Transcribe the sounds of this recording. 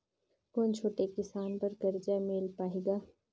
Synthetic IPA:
koːnt͡ʃʰoːʈekɪsaːnpɐɾkɐɾd͡ʒameːlpaːɦeːɡaː

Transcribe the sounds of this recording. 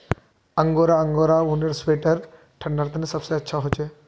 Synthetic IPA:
ɐŋɡoːɾaɐŋɡoɾaunɐɾsʋeːʈɐɾ | ʈʰɐɳɖaɾt̪ɐnisɐbseɐtːʃʰaɦot͡ʃʰe

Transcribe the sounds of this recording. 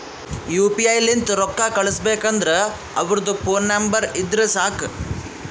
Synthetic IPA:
juːpiɐjlint̪uɾɔkːaːkɐɭɐsbeːkɐnd̪ɾe | ɐʋɐɾɐd̪upoːnːɐmbɐɾid̪ɾesaːk

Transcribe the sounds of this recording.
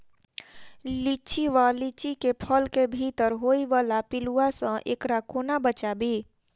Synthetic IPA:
lit͡ʃiʋalit͡ʃikepʰəlkebʱit̪əɾɦoːiʋaːlapɪluasə̃ʔḛːkɾakoːnabət͡ʃabiː

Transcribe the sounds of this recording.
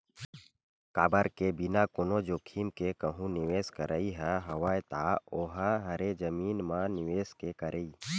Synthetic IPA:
kaːbəɾkebinakʊnod͡ʒoːkʰiːmkekəɦũnɪʋeːskəɾʔəiɦɛɦɐwaːjt̪aoːɦəɦɐɾed͡ʒəmiːnmãnɪʋeːskekəɾʔeiː

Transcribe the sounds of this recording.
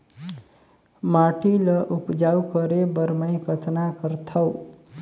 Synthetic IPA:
maʈilʌʔupd͡ʒawkʌɾebʌɾmajkʌt̪ʰnakʌɾt̪ʰʌw

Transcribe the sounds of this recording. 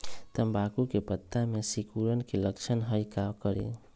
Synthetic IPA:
t̪əmbakukepət̪ːamesikuɾənkelək̚t͡ʃʰənɦəjkabkəɾḛ

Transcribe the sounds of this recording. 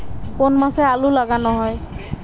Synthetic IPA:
konmasɛalʊlaɡanɔɦɔj

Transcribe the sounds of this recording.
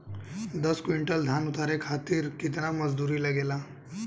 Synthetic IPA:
d̪əskʋiɳʈəld̪ʱanut̪ʰaɾekʰat̪iːɾkit̪naməd͡zd̪uɾiːləɡela

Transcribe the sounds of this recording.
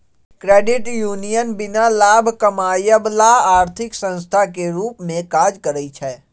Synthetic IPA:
kɾeːɖɪʈjuːnijənbɪnalaːbʱkəmaːjəblaaːɾt̪ʰɪksə̃nst̪ʰakeɾuːpmẽkaːd͡ʒkəɾəit͡ʃʰɛː

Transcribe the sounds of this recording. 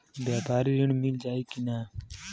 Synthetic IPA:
bjaːpaːɾiːɾiɳmild͡ʒaːiːkinaː

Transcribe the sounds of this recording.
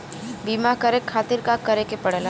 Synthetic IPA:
biːmakɐɾekʰaːt̪ɪɾkakɐɾekepɐɽel

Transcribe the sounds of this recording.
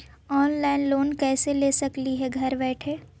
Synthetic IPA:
ɔːnlaːɪnloːnkɛːseleːsɐkliɦɛɡʱɐɾbɛːʈʰeː

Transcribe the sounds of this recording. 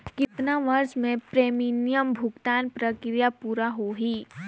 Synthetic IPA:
kɪt̪naʋɐɾsmẽpɾeːminijəmbʱʊɡt̪aːnpɾəkɾijapuːɾaɦoɦiː

